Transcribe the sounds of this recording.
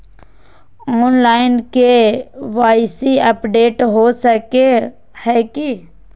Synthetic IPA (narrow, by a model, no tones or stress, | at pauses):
ɔːnlaːɪnkeʋaːɪsiəpɖeːʈɦosəke | hɛːki